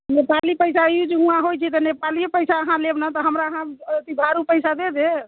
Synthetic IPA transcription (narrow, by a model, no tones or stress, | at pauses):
nepalipəjsaid͡ʒeũãɦojt͡ʃʰɛt̪ɔnepaliepəsaəɦãlebnat̪ɔɦəmɾaəɦãət̪ibʱaɾupəɪsad̪ed̪e